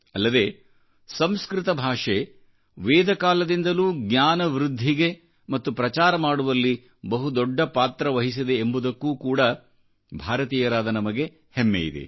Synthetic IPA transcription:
ɐlːɐd̪e̞ː | sɐmskɾɪt̪ɐbʱaːʂe | ʋeːd̪ɐkaːlɐd̪ind̪ɐluːɡɲʲaːnɐʋɾud̪ʱːiɡe̞ | mɐt̪ːupɾɐt͡ʃaːɾɐmaːɽuʋɐlːi | bɐɦud̪ɔɖːɐpaːt̪ɾɐʋɐɦis̬id̪e̞ːmbud̪ɐkːuːkuːɽɐ | bʱaːɾɐt̪iːjɐɾaːd̪ɐnɐmɐɡe̞ | hemːḛjḭd̪ḛ

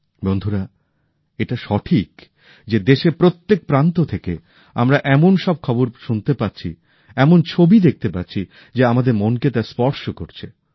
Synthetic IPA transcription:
bond̪ʱuɾa | eʈaʃɔʈʰik | d͡ʑed̪eʃeɾpɾot̪ːek̚pɾant̪ot̪ʰeke | a̰mɾaʔɛmonʃɔb̚kʰɔboɾʃunt̪epatːɕʰḭ | ɛmont͡ɕʰobid̪ek̚ʰt̪epatːt͡ɕʰi | d͡ʑeamad̪eɾmonket̪aspɔɾʃokoɾt͡ɕʰe

